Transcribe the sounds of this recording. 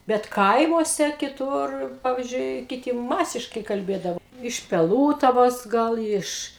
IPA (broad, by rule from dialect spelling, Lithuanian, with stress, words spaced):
bʲɛt ˈkɐɪmuɔsʲɛ kʲɪˈtʊr ˈpɑːʋʲɪzʲd͡ʒʲʊɪ kʲɪˈtʲɪ ˈmɑːsʲɪʃkɐɪ kɐlʲˈbʲeːdɐʋoː ɪʃ pʲɛˈlˠuːtɐʋoːs ˈɡɐlˠ ˈɪʃ